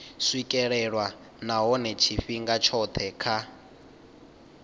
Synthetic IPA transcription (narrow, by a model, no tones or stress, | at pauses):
swikʼɛɺɛɺwa | naɦɔnɛt͡ʃʰiɸiŋɡat͡ʃʰɔt̪ʰɛkʰa